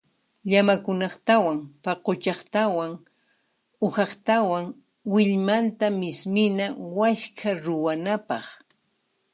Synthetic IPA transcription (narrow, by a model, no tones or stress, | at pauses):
ʎamakʊnɑχt̪awaŋpaqot͡ʃɑχt̪awaŋ | ʊhɑχt̪awaŋ | wɪʎmant̪amɪsmɪnawaʃkʰaɾʊwanapɑχ